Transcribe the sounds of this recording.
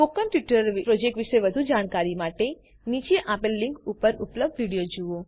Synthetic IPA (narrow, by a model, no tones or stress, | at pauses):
fokəmpjuʈəɾʋipɾod͡ʒek̚ʈʋiʃeʋəd̪ʱud͡ʒaɽ̃kaɾimaʈe | nit͡ʃeʔapelːiŋkupəɾʊpləb̚d̪ʋiɽijod͡ʒuo